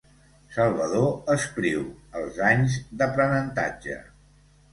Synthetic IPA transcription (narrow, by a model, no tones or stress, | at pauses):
səlˠβəðoəskɾiwəlˠzaɲzðəpɾənənt̪a̰d͡ʒə̰